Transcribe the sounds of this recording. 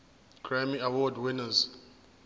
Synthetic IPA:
ɡ̥ɹamiawɔdwinaz

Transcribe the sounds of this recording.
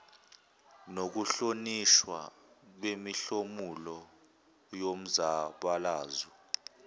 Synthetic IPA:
nok̬uɬoniʃwa̰ | ɓwemiɬomulɔ | jom̩zaɓalaːzi

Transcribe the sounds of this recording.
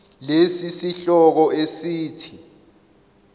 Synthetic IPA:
lesisiɬɔk̬ɔesiːtʰi

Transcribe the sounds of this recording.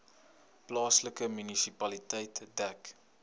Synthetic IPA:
plɑːsləkəmynisipɐlitɛjtdæk

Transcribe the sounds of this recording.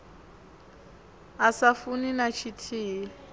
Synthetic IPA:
asafuninat͡ʃʰitʰiː

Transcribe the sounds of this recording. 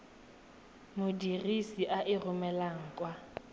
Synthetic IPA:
mʊdirisiʔaʔɪrʊmɛlaŋ̩kʼwa

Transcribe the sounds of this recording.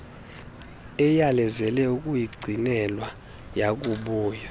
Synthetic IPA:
ɛjalɛzɛlɛukʼujiɡ͡ǀʱinɛlwa | jakʼuɓuːja

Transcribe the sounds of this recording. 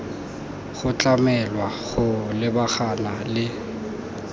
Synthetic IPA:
χʊt͡ɬʼamɛlwaχʊlɪbaχanalɪ

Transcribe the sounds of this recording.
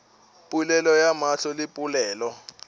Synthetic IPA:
pʼulɛlɔjamaɬʰɔlɪpʼulɛːlɔ

